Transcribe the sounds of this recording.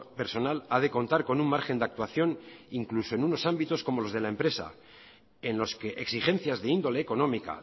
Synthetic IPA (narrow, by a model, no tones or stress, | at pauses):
pe̞ɾso̞nalaðeko̞nt̪aɾko̞nuŋmːaɾxe̞nd̪ak̚t̪waθjo̞niŋkluso̞enuno̞sambit̪o̞sko̞molo̞zðe̞lae̞mpɾe̞sa̰ | enlo̞ske̞ʔeksixe̞nθjazðe̞ind̪o̞le̞ːko̞nõ̞mika̰